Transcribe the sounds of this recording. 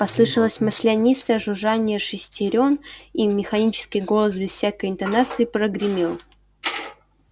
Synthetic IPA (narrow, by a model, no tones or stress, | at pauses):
pɐslˠɨʂəlˠəsʲmɨsʲlʲɪɐnʲist̪əjəʐʊʐanʲɪjəʂɨsʲtʲɪɾʲo̞nimʲɪxɐnʲit͡ɕɪ̥skʲijɡo̞lˠəsbʲɪz̥fʲsʲakəjɪnt̪ɐnat̪sɨɪpɾəɡɾʲɪmʲelˠ